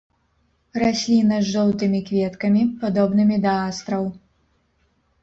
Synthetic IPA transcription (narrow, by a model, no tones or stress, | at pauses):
rasʲlʲinɐzʐɔw̪t̪ɨmʲikvʲɛt̪kɐmʲipad̪ɔbnɨmʲid̪ɐast̪ɾɐw